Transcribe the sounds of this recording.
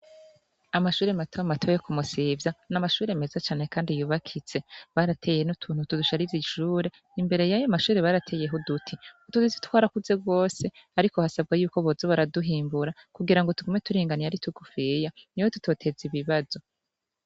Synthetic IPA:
amaʃuːɾematʰoamatʰojekumusivjanamaʃuːɾe̞me̞zat͡ʃaːne̞kaːndijuːβakʰit͡se̞βaɾatʰe̞ːjenutʰuːn̥hutuduʃaɾiziʃuːɾe̞ːmbe̞ɾe̞jajamaʃuːɾe̞βaːɾatʰe̞je̞ɦodutʰiutuzizi̥twaːɾakuze̞ɡɡo̞ːse̞aɾiko̞hasab̚ɡajuːko̞βozoβaɾaduɦiːmbuɾakuɡiɾaŋɡotuɡome̞tuɾiːŋɡanijaɾitʰuɡufijaniwotu̥to̞ːtʰe̞ziβiβazo̞

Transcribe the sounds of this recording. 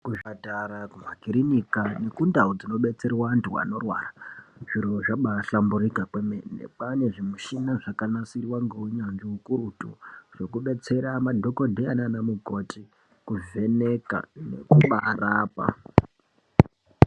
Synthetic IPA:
kuʐataɾakum̤akiɾinikane̞kundaud͡zino̞ɓe̞t͡serwantuwa̰no̞rwa̰raʐ̥iɾoʐaɓaɬamburikakwemennḛpane̞ʐimuʃinaʐakanasirwaŋɡeuɲand͡ʒeukurutṵʐ̥o̞kuɓe̞t͡se̞ɾamadʱo̞kodʱeananamuko̞ti | kuve̞neka̰nḛkuɓaraːpa̰

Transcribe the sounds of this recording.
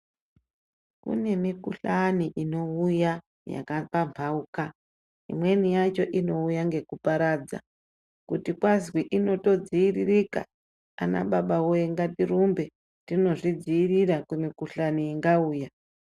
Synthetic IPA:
kṵne̞mikuɬaniʔino̞uja | ja̰kapampʰauka | ḭmwe̞nijat͡ʃo̞ʔino̞ujaŋɡe̞kupaɾaːd͡za̰ | kutikwazwiʔino̞to̞d͡ziiririka̰ | a̰na̰ɓaɓawojeŋɡatirumbe̞ | tino̞ʐid͡ziːriɾakwemikuɬaniiŋɡauːja

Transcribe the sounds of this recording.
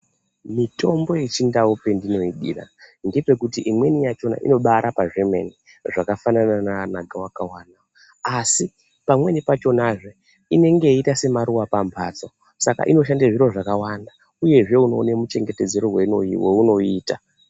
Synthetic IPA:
mito̞mbo̞jit͡ʃindawope̞ndino̞iɗira̰ndepe̞kutiʔimwe̞nijat͡ʃo̞na̰ʔḭno̞ɓaɾapaʐe̞ma̰ni | ʐakafananananaɡʱawakawaːnao | asi | pamwe̞nipat͡ʃo̞naʐo | ine̞ŋɡe̞iitase̞maɾuwapampʰaːt͡so | saka̰ʔino̞ʃ̬andaʐiɾo̞ʐakawanda | uje̞ʐe̞uno̞̰ne̞mut͡ʃe̞ŋɡete̞d͡ze̞ɾoweweuno̞iːta

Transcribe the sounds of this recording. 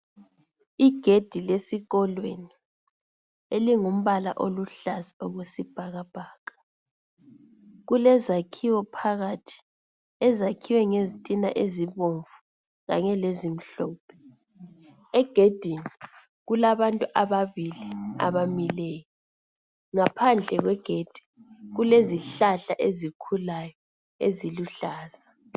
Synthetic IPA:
iɡ̥ʱed̥ʱilesiɣɔlweni | eliŋum̩βala̰ʔoluɬazioɣusib̥ʱaɣab̥ʱaːɣḁ | ɣulɛzakʰiwɔpʰaɣatʰi̥ | ɛzakʰiwɛŋezitʼina̰ʔeziβoɱvu̥ | ɣa̰ɲɛlezim̩ɬɔːpʰɛ̥ | ɛɡ̥ʱed̥ʱinii | ɣulaβantʼuʔaβaβilia̰βamilɛːjɔ | ŋapʰand͡ɮʱɛɣwɛɡ̥ʱed̥ʱi̥ɣuleziɬaɬaʔezikʰulajɔ | eziluɬaːz̥a

